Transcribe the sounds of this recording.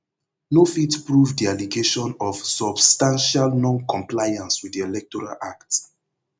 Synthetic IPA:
nofitpɹuvdialiɡeʃɔ̃nɔv̥sɔbstãnʃalnɔ̃nkʰɔ̃mplajãnswiðdiɛlɛk̚tɔɹa̰la̰kts

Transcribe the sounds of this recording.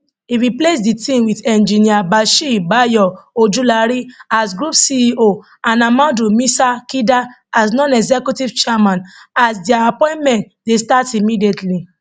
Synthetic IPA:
iɾiplesditĩmwidɛ̃nd͡ʒĩniabaʃiibajɔod͡ʒulaɾiasɡɾupsiʔo | anamãdumĩsakida | asnɔ̃nɛɡzɛkjutivt͡ʃɛmãnasdiaapɔ̃ɪ̃ntmɛ̃nt | destatimidietli

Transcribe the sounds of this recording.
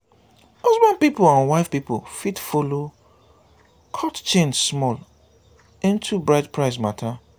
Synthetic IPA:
hɔzbãnpipʊlãnwaɪfpipo̰fitfolo | kʰɔtt͡ʃẽnsmɔl | ĩntʰubɹaɪtpʰɹaɪs̬matʰa

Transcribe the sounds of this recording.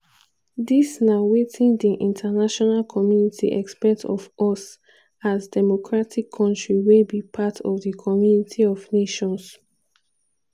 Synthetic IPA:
disnawetʰĩndiʔĩntʰanaʃɔnalkʰɔmjunitʰḭʔɛ̰kspɛtʰɔvɔs | azdɛmɔkʰɹatʰikʰːɔ̃ntɹiwelbipʰatʰɔ̰vdikʰɔmjunitʰiɔvneʃɔ̃ns

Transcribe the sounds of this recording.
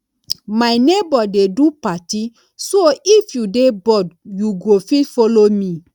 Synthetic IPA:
majnebɔdedupati | soifjudebɔdjuɡofitfɔlomĩ

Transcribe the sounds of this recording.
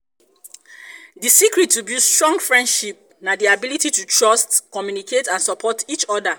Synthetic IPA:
disikɹitːubjustɹɔ̃ŋɡfɹɛ̃ndʃip̚ | nadiabilititutʰɹɔstkɔmjunikʰetãnsɔpʰɔtit͡ʃɔda

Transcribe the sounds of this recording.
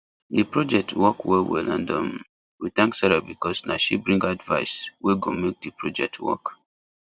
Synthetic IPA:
dipɹɔd͡ʒɛk̚tʰwɔkwɛlwḭlãndɔ̃m | wit̪ãŋksaɹabikɔsnaʃibɹĩŋɡadva̰ɪsweɡomek̚dipɹɔd͡ʒɛk̚tʰwɔ̰k

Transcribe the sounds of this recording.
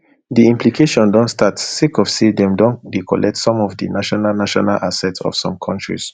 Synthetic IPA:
diĩmpʰlikʰeʃɔ̃ndɔ̃ntstatsekɔvsedɛ̃mdɔ̃ndekʰɔlɛk̚tsɔ̃mɔvdinaʃɔnalnaʃɔnalʔasɛtsɔ̰fsɔ̃mkʰɔ̃ntɹḭs

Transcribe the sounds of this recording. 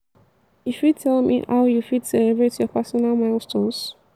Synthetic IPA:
ifitʰɛlmḭha̰ʊjufitsɛlɛbɹetjɔpɛsɔnalˠmaɪlˠstʰɔs

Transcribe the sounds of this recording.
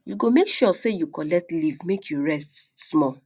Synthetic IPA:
juɡomekʃɔsejukɔlɛk̚tlivmekʰjuɹɛstsmɔ

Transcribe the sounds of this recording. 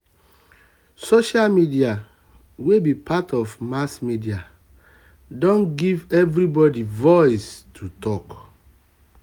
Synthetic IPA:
soʃalmidia | webipʰatɔvmasmidia | dɔ̃nɡivɛvɾibɔdivɔɪstʰutɔk

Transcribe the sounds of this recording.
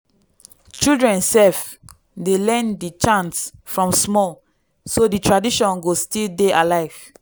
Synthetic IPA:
t͡ʃildɹɛ̃nsɛf | delɛ̃ndit͡ʃãnsfɹɔ̃msmɔl | soditʰɹadiʃɔ̃nɡostildeʔalaɪv

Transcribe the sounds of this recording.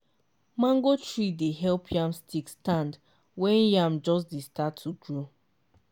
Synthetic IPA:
mãŋɡot͡ʃɹideɦɛlpʰjãmstikstãnd | wɛ̃njãmd͡ʒɔsdestatʰːuɡɹo

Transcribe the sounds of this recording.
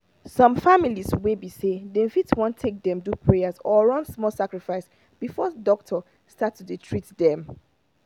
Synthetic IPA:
sɔ̃mfamiliswebisedɛ̃nfitwɔ̃ntʰːek̚dɛ̃mdupʰɹejazɔɹɔ̃nsmɔlsakɹifaɪs | b̥ifɔdɔk̚tʰɔ | statːuditʰɹitdɛ̃m

